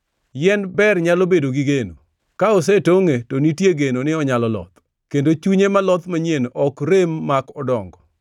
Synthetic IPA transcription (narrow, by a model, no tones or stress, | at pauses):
jɛnbɛrɲalobedoɡiɡeno̰ | kaɔs̬etoŋetonitjeɡenonɪɔɲalɔlɔ̰t̪ | kendot͡ʃuɲemalɔt̪maɲjenɔkɾemːakɔdɔŋɡɔ